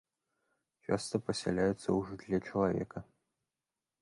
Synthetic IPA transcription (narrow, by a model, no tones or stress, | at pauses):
t͡ʂa̰st̪ɐpɐsʲɛ̰lʲajut̪sːɐwuʐɨd̪lʲɛt͡ʂɐlˠavʲɛ̰kɐ